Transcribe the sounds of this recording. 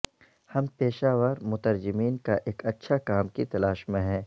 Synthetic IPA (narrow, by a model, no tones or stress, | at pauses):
hɐmpeːʃaːʋəːɾmʊt̪əɾd͡ʒɪmiːnkaʔeːkɐtːʃʰakaːmkit̪ɐlaːʃmẽɦɛ̃ː